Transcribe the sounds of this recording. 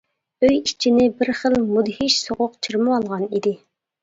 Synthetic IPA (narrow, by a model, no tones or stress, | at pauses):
øjit͡ʃʰinɪbɪɾχəlmud̪hiʃsoʁʊqt͡ʃʰəɾmɨwɑlˠʁɑnid̪ɪ